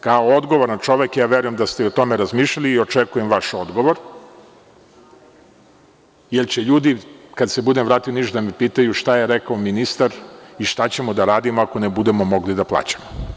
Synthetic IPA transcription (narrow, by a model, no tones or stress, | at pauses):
kaood̪ɡo̞ʋoɾnat͡ʃo̞ʋekjaːʋeɾujemd̪ast̪eiot̪o̞meɾazmiːʃʎaliːo̞t͡ʃekujemʋaʃo̞d̪ɡo̞ʋoɾ | jelt͡ɕeʎuːd̪ikad̪sebud̪emʋɾaːt̪ioniʃd̪amepiːt̪ajuʃt̪ajeɾekaominist̪aɾiʃt̪at͡ɕe̞mod̪aɾaːd̪imoako̞nebud̪emo̞mo̞ɡlid̪aplˠa̰ːt͡ɕḁmo